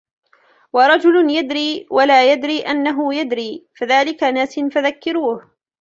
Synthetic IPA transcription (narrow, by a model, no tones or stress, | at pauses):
wɑɾˤɑd͡ʒʊlʊnjad̪ɾiːwalaːjad̪ɾiːʔanːaɦʊjad̪ɾiːfaðaːlɪkanaːsɪnfaðakːɪɾuːh